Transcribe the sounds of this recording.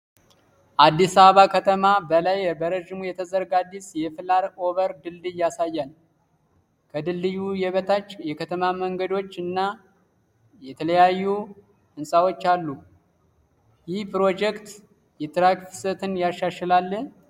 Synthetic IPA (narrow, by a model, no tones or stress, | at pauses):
ʔad̪ːisaβəβakʰət̪ʰəmabəlajbəɾəʒɪmujɛt̪ʰəzəɾɡad̪ːisjɛfɨlaɾo̞βəɾd̪ɨlːɨjːasajːan | kʰəd̪ɨlːɨjujɛβət̪ʰat͡ʃːjɛkʰət̪ʰəmaməŋɡəd̪o̞t͡ʃːɨnːa | jɛt̪ʰələjajːu | ʔɨnsʼawo̞t͡ʃːalːu | jɪhpɨɾo̞d͡ʒɛkt̪ | jɛt̪ʼɨɾakfsət̪ʰɨnjaʃaʃɛlalːə